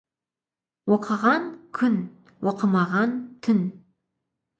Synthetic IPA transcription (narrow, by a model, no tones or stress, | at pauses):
woqʰəʁɑnkʲʰʏn | woqʰəmɑʁɑnt̪ʰʏn